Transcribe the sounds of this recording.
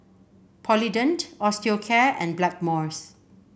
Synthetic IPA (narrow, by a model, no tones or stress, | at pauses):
pʰɔlidə̃ntɔstiokʰɛɛ̰̃nblɛk̚mɔɹs